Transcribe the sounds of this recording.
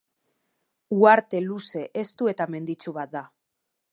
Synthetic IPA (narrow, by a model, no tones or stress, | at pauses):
uaɾt̪e̞luse̞ʔest̪ue̞t̪ame̞nd̪it͡ʃuβat̪̚d̪a